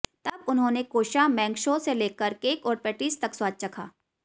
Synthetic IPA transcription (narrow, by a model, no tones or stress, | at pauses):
t̪ɐbʊnɦõːnekoːʃamɛ̃ːŋɡʃõseleːkəɾkeːkɔːɾpɛʈiːst̪ɐkswaːt͡ʃ̚t͡ʃɐkʰa̰ː